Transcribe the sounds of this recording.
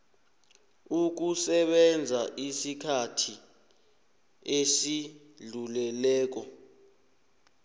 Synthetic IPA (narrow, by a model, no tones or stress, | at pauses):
uk̬usɛɓɛnd͡zʱaʔisikʰatʰi | esi | ɮulɛlɛːk̬ɔ